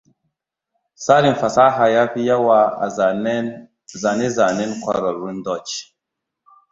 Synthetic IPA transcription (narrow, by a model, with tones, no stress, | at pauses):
sa˦li˨n˨fa˨sa˦ɦa˨ja˦fi˦ja˦wa˦a̰˨˦ | za˨ne˦za˨nɛ˦nkwa̰˨ɾa˨ɾu˦ndɔ˦˨t͡ʃ